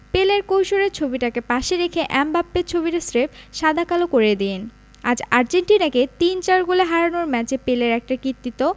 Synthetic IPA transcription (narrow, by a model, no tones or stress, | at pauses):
peleɾkowʃoɾeɾt͡ɕʰobiʈakepaʃeɾekʰeʔɛmbapːeɾt͡ɕʰobiʈasɾepʃad̪ʱakalokoɾed̪ien | a̰d͡ʑaɾd͡ʑeɳʈinaket̪int͡ɕaɾɡoleɦaɾanoɾmɛt͡ɕepeleɾɛk̚ʈakit̪ːit̪o